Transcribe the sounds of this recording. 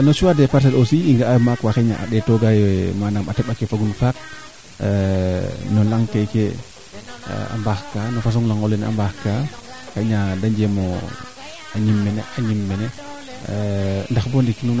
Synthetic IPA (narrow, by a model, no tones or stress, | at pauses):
nɔt͡ʃuwadɛpaɾs̬ɛlosiiŋɡaajmakwaxeɲa̰ʔa̰ɗɛtɔɡajmanamatɛɓakefaɡunfak̚ | nɔlaŋtɛkḛ | a̰mbaxkanɔfas̬ɔŋlaŋɔlɛnɛ̰ʔa̰mbaxka | xeɲadaɲd͡ʒɛmɔ | aɲimːɛnɛ̰aɲimːɛnɛ | ndaxbɔndikːinun